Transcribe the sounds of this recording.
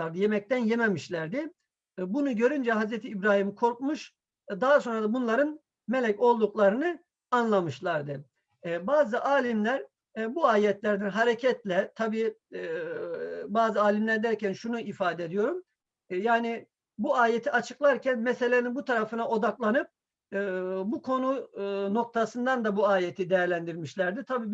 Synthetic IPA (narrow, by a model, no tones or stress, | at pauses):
aɾd̪ɯjemɛc̚t̪ʰænjɛmemiʃlʲæɾd̪ɪ | bunuɟø̞ɾynd͡ʒɛɦazɾɛt̪ʰiːbɾaːhimkʰo̞ɾk̚muʃ | d̪aɦaso̞nɾad̪abunlˠaɾɯn | melʲɛco̞lˠd̪uklˠaɾɯnɯ | anlˠamɯʃlˠaɾd̪ɯ | baːzɯʔaːlʲimlʲæɾ | buaːjɛt̪lʲæɾd̪ænɦaɾecʰɛt̪lʲɛt̪ʰabiː | baːzɯaːlʲimlʲæɾd̪æɾcænʃunuifaːd̪ɛd̪ijo̞ɾum | jaːni | buaːjet̪ʰiat͡ʃʰɯklˠaɾcʰænmɛse̞lʲeninbut̪ʰaɾafɯnaʔo̞d̪aklˠanɯp̚ː | bukʰo̞nuno̞k̚t̪ʰasɯnd̪and̪abuaːjet̪ʰid̪ejæɾlʲænd̪iɾmiʃlʲæɾd̪it̪ʰabiː